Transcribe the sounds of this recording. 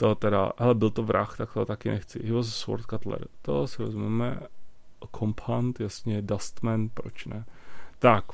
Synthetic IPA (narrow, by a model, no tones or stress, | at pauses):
t̪ot̪ɛɾa̰ɦɛlɛbɪlt̪ovɾʔa̰xt̪akt̪ot̪akɪnʔɛxt͡sɪ̰ɦɪvozsvo̰ɾt̪̚kat̪lɛ̰ɾt̪o̰sɪɾozumɛmɛ̰ | kʰompʰhant̪jasɲɛdast̪mɛnpɾo̰t͡ʃnɛt̪ak